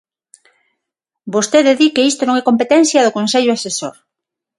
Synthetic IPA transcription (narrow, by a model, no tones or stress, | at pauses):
bost̪eðeðikeist̪onõŋɛkompet̪ɛnθjɐðokonseʎʊaseso̰ɾ